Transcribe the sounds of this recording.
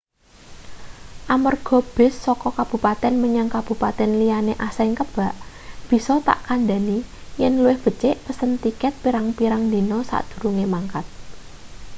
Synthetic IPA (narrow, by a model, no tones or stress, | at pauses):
ʔamərɡ̥ɔ̤b̥ɪ̤sːɔkɔkab̥ṳpat̪ɛnməɲaŋkab̥ṳpat̪ɛnlijaneʔasɛŋkəb̥a̤ʔ | b̥i̤sɔt̪a̰ʔkand̪a̤nijɛnluɪhb̥ə̤t͡ʃeʔpəsənt̪ikɛt̪̚piɾaŋpiɾaŋnd̪i̤nɔsa̰ʔd̪̥ṳɾuŋemaŋkat̪̚